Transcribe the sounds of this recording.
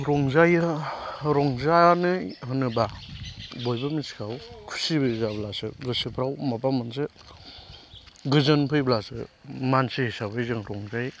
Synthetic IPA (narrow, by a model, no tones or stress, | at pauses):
ɾɔŋzaj | ɾɔŋzanɯɦɯnɯba | bojbamisi̥kʰawkʰu̥sibɯizablasɯɡɯsipʰɾawmapamansɯ | ɡɯzɯnpʰɯjblasɯ̰mansihisabaizɯŋɾɔŋzaj